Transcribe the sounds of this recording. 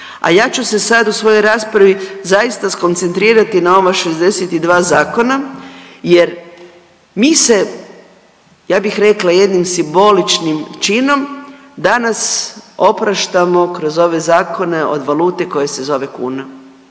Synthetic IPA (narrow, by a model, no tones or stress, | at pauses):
a̰jaːt͡ʃuse̞sad̪usʋo̞jo̞jɾaːspɾaʋizajist̪asko̞nt̪se̞nt̪ɾiːɾat̪inao̞ʋaʃe̞zd̪e̞set̪id̪ʋaːzaːko̞naje̞ɾ | miːse̞ | jaːbixɾe̞klaje̞d̪nimsimbo̞lit͡ʃnimt͡ʃino̞m | d̪anaso̞pɾaʃt̪amo̞kɾo̞zo̞ʋe̞zaːkʰo̞ne̞o̞̰d̪ʋaluːt̪e̞ko̞je̞se̞zo̞ʋe̞kṵːna